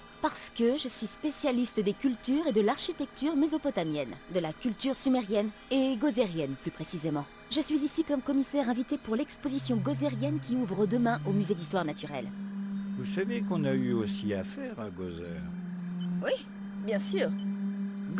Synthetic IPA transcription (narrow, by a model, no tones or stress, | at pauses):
paʁsə̥kəʒəsɥispesjalist̪d̪ekʲylt̪yʁed̪əlaʁʃit̪ɛk̚t̪yʁmezopɔt̪amjɛnd̪əlakʲylt̪yʁsymɛʁjɛneɡozeʁjɛnplypχesizemɑ̃ | ʒəsɥizisikɔmkɔmisɛʁɛ̃vit̪epuʁlɛkspozisjɔ̃ɡozɛʁjɛnkʲiuvʁəd̪əmɛ̃ʔomyzed̪ist̪waʁnat̪yʁɛ̰lvusavekɔ̃nayosiafɛʁaɡozɛ̰ʁ | wi | bjɛ̃syːʁ